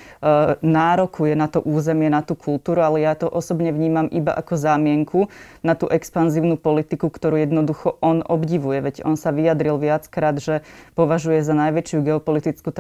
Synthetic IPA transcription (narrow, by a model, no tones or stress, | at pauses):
naːɾɔkujɛnat̪ɔʔuːzɛmɪɛnat̪ukʰulˠt̪uːɾualɛjat̪ɔʔɔsɔbɲɛʋɲiːmamʔiba̰ʔa̰kɔzaːmɪɛŋkʰunat̪uːʔɛkspanziːʊnupɔlit̪ikukt̪ɔɾuːjɛd̪nɔd̪uxɔʔɔnɔbɟiʋujɛʋɛɟɔnsaʋijad̪ɾilʋɪat͡skɾaːd̪ʒɛpɔʋaʒujɛzanajʋɛt͡ʃɪuɡɛɔpɔlit̪it͡skut̪